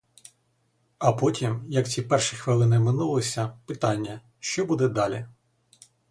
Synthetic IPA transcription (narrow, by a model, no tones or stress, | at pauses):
ɐpɔtʲimjɐkt͡sʲipɛrʃixʋɪlˠɪnɪmɪnulˠɔsʲɐpɪt̪ɑnʲːɐ | ʃt͡ʃɔbud̪ɛd̪ɑlʲi